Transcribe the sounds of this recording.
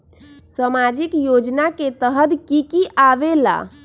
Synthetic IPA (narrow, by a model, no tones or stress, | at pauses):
səmad͡ʒikjod͡ʒnaket̪əɦəd̪kikiʔabela̰